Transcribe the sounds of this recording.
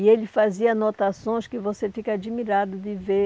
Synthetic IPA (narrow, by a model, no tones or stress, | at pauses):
ɪelɪfaziɐnot̪asõj̃skɪvosefikɐad͡ʒimiɾad̪ʊd̪ɪve